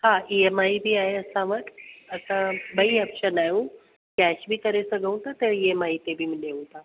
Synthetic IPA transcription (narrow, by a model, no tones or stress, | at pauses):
hãiemaibʱiːaɦeəsãʋəʈəsãbəɦiəpɕənaju | kɛɕbʱiːk̪əɾesəɡəũt̪at̪əɾiemaɦit̪ebʱiːməneũt̪a